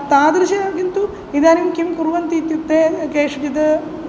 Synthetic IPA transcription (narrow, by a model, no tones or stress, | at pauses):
t̪aːd̪ɾiʃɐkint̪u | id̪aːnimkimkuɾʋɐnt̪it̪jut̪ːekeːʂɡid̪ɐ